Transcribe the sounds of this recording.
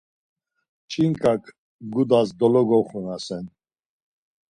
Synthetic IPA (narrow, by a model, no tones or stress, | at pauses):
t͡ʃʼiŋkʼakʰ | ɡud̪asd̪ɔlɔɡɔχunasɛn